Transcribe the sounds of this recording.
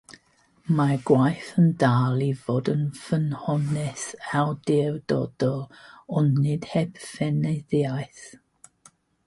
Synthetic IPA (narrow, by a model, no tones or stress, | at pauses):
maɡwajθəndaːlˠivoːdənfənhɔnɛsawdɪwdɔ̰d̥ɔɔnːɨd̥hɛb̥fɛneðajθ